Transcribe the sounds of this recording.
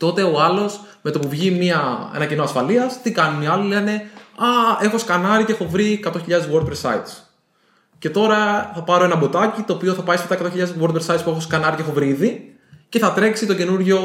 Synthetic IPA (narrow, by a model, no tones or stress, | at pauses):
t̪o̞t̪e̞oɐlo̞s | me̞t̪o̞puvʝimiɐe̞̰nɐcino̞ɐsfɐliɐst̪ikɐnuniɐlilene̞ɐe̞xo̞skɐnɐɾice̞xo̞vɾikɐt̪o̞çiʎɐðezwo̞ɾt̪̚pɾesːɐ̰it̪s | ce̞t̪o̞ɾɐθɐpɐɾo̞e̞nɐbo̞t̪ɐcit̪o̞ːpio̞θɐpɐiset̪ɐekɐt̪oçiʎɐðezwo̞ɾt̪pɾesɐit̪spuxoskɐnɐɾice̞xo̞vɾiːði | ceθɐt̪ɾe̞ksit̪o̞ce̞nuɾʝo̞